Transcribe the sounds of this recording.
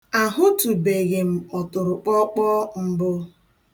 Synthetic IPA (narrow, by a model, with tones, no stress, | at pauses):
a˨ɦʊ˦tu˨be˨ɣe˨m̩˨ɔ˨tʊ˨ɾʊ˨k͡pɔ˦k͡pɔ˦m̩˦bʊ˦